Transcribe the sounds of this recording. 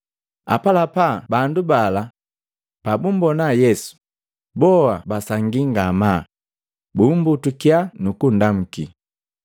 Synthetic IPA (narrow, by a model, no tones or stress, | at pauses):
a̰palapabandubala | pabumbɔnajɛsu̥ | bɔabasaŋɡiŋɡama | bumbutukjanukundam̩ki